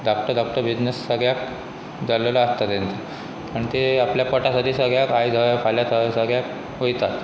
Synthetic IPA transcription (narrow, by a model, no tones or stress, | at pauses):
d̪ɔp̚ʈəɾd̪ɔp̚ʈəɾbid͡ʑnesːəɡɭjak | d͡zaleləast̪at̪jent̪ə | aɳ̃it̪eapljapəʈasaʈ̪ʰiːsəɡɭjakajd͡zʱəfʰaljat̪ʰəsəɡɭjak | ɦojt̪at̪